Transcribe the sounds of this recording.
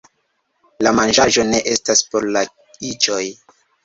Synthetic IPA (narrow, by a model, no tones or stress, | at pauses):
lamand͡ʒaʒo̞ne̞ʔe̞staspo̞ɾla | it͡ʃo̞j